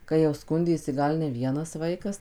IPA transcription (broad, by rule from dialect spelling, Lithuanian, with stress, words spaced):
kɐɪ jɛʊ ˈskʊnʲdʲeːsʲɪ ˈɡɐlˠ nʲɛ ˈʋʲiɛnɐs ˈʋɐɪkɐs